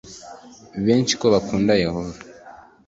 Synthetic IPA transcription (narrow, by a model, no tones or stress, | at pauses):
βeːnt͡ʃi̥koβakuːndajehova